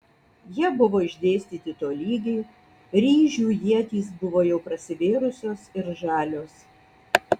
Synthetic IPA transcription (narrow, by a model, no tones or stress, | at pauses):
jiɛbʊʋoːɪʒʲd̪ʲeːsʲt̪ʲiːt̪ʲɪt̪oːlʲiːɡʲɛɪ | ɾʲiːʒʲuːjiɛt̪ʲiːs̬bʊʋoːjɛʊpɾɐsʲɪʋʲeːɾʊsʲoːsɪɾʒɑːlʲoːs